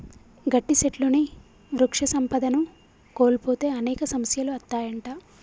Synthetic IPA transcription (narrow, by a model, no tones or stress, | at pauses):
ɡɐʈːiseʈluni | ʋɾukʂɐsɐmpɐd̪ɐnu | koːlipoːt̪e̞ːɐnɛːkɐsɐmɐsjɐluɐt̪ːaːjɐɳʈaː